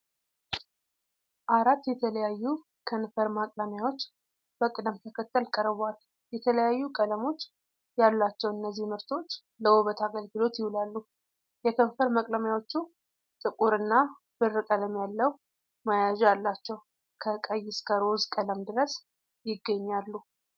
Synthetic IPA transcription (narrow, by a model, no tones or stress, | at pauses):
ʔaɾat̪ːjɛt̪ʰələjajːu | kʰənfəɾmakʼləmjawo̞t͡ʃː | b̥əkʼɨd̪əmt̪ʰəkʰət̪ːəlkʼəɾβal | jɛt̪ʰələjajːukʼələmo̞t͡ʃː | jalːat͡ʃːɛwɨnːəzːihmɨɾt̪ʰo̞t͡ʃː | ləwuβət̪ʰaɡəlɡɨlo̞t̪jɪhulalːu | jɛkʰənfəɾmakʼləmjawo̞t͡ʃːu | t̪ʼɨkʼuɾɨnːa | b̥ɨrːɨkʼələmjalːəw | majaʒjalːat͡ʃːɛw | kʰəkʼəjːɪskʰəɾozkʼələmd̪ɨɾəs | jɪɡːəɲːalːu